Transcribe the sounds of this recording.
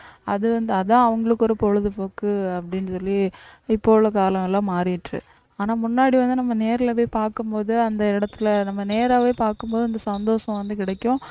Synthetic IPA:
ɐ̰ðɯʋɐnd̪ɯɐðãːɐʋɐŋɡɐɭɯkːɔɾɯpɔɻɯðɯpoːkɯɐpːɐɽɪnɯsɔlːiɪpːoːɭɐkaːlɐ̃mɛlːãːmaːɾɪjɪʈrɯ̰ | aːnaːmʊnːaːɽiʋɐnd̪ɯnɐmːɐneːɾɪlɐʋeːpaːɾkɯmpoːðɯɐnd̪ɐɪɽɐt̪ːɪlɐnɐmːɐneːɾaːʋeːpaːɾkɯmpoːðɯɐnd̪ɐsɐnd̪oːʂɐ̃ʋɐnd̪ɯk̬ɪɽɐkːʊ̃

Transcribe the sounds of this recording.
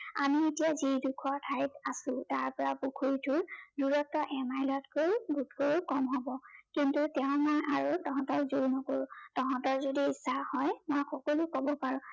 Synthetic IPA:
a̰mietijazidukʰɔtʰajtasʊ̃taɹpɔɹapukʰuɹitʰuɹduɹɔtːɔʔɛmajlɔtkobʱutʰkoɹukɔmɦɔbɔkintutɛʊ̃mɔjʔaɹutɔɦɔ̃tɔɹzuɹnɔkoɹʊ̃tɔɦɔ̃tɔɹzodiisahɔjmojxɔkɔlukobɔpaɹʊ̃

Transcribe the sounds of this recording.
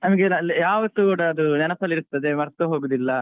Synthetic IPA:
nɐmɐɡelːijaːʋɐt̪ːukuːɽɐːd̪unɐnɐsɐlːiɾut̪ːɐd̪emɐɾt̪ːɐɦoːɡud̪ilːɐ

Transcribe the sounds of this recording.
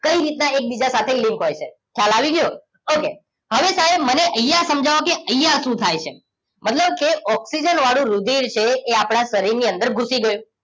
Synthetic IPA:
kəiɾit̪naek̚bid͡ʒasat̪ʰelĩmkɦojt͡ʃʰe | kʰjalaʋiɡəjo | oke | ɦəʋesaɦebməneʔəjːasəmd͡ʒʱaʋokeəjːaʃũt̪ʰajt͡ʃʰḛ | mət̪ləb̚keʔɔksid͡ʒənʋaɽ̃ũɾud̪ʱiɾt͡ʃʰeːapɽ̃aʃəɾiɾniənd̪əɾɡʱusiɡəjũ

